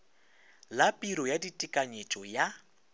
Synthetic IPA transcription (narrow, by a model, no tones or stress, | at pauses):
lapʼiɾɔjaditʼikʼaɲet͡ʃʼɔja